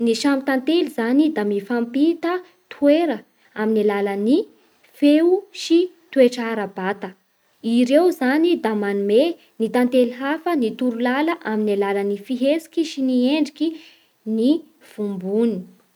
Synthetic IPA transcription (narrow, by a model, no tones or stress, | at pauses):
niʃamit̪ant̪elizanid̪amifampit̪ə | t̪ʰueɾə | aminilaləni | feuʃi | t̪ueʈ͡ʂaɾəbat̪ə | iɾewzanid̪amanume | nit̪ant̪eliɦafənit̪uɾulaləʔaminilalənifiɦesi̥kʲiʃinieɳɖ͡ʐikʲi | ni | v̥umbuni̥